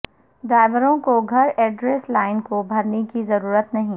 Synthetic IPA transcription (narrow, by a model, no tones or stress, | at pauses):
ɖaːɪʋəɾõkoɡʱɐɾɛːɖɾeːslaːɪnkobʱɐɾnekizɐɾuːɾət̪nɐɦĩ